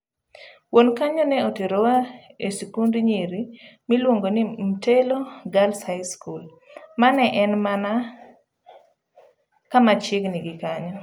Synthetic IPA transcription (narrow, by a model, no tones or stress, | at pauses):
wonkaɲɔnɛoteɾowaesikundiɲeɾimilwoŋɡonim̩teloɡalshajskul | manɛʔɛnmana | kamat͡ʃɪɡnɪɡɪkaɲɔ